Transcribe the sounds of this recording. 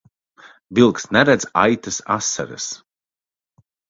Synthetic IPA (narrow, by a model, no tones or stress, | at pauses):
vilˠksnɛɾɛd̪za̰jt̪ɨsa̰sːa̰ɾɨ̰s